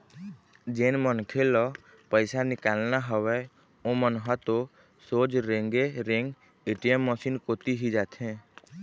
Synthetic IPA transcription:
d͡ʒeːnmənkʰelɔ | pəɪsanɪkaːlnaɦəwɛ | õmənɦat̪o | soːd͡ʒɾẽŋɡeɾẽŋɡ | eːʈijəmːəsinkot̪iɦid͡ʒaːt̪ʰɛ̃ː

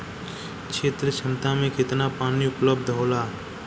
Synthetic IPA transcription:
kʃʰeːt̪ɾəʃɐmt̪amẽkɪt̪napaːniʊpləbd̪ʱɦoːlaː

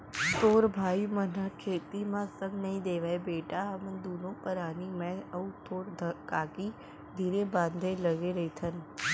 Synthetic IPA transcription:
t̪oːɾbʱaːimənəkʰeːt̪imãːsəmnɐɦĩːd̪eːʋəebeːʈaɦɐmənd̪uːnõːpəɾaːnimɛ̃ɐut̪ʰoːɾd̪kaːkiː | d̪ʱiːɾebãːnd̪ʱeləɡeɾɐit̪ʰən

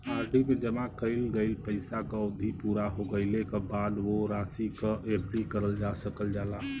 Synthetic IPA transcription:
aːɾɖʱimed͡ʒəmakəɪlɡəɪlpəɪsakəʊd̪ʱipuːɾaɦoɡəɪlekebaːd̪ʋoɾaːsikəeplikəɾəld͡ʒasəkəld͡ʒaːla

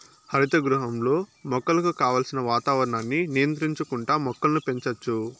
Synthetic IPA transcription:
hɐɾit̪ɐɡɾuɦɐmlo̞ːmɔkːɐlɐkukaːʋaːlsinɐʋaːt̪aːʋɐɾɐɳaːnːinijɐnt̪ɾiɲt͡ʃukuɳʈaːmɔkːɐlnupe̞ɲt͡ʃɐt͡ʃːu

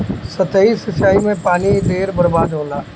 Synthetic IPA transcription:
sɐt̪ʰəisɪt͡ʃaːimẽpaːnid̪eːɾbɐɾbaːd̪ɦõːnd̪aː

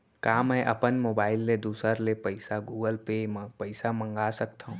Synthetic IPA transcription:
kaːmɛ̃ʔɐpənmoːbaːɪlːed̪uːsəɾlepəɪsaɡuːɡəlpeːməpəɪsamə̃ŋɡaːsəkt̪aɦũ

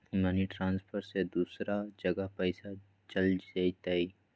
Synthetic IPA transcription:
maniʈɾãːnspʰəɾsed̪uːsɾad͡ʒəɡəɦpɛɪsa | t͡ʃəld͡ʒait̪ai

